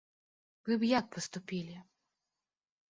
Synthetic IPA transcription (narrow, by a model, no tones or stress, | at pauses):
vɨbjak̚pɔst̪ʊpʲilʲɪ